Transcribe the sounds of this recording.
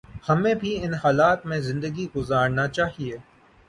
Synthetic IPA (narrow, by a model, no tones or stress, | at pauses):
hɐmẽbʱiɪnɦaːlaːt̪mẽzɪ̃nd̪əɡiɡʊzaːɾnat͡ʃaːɦieː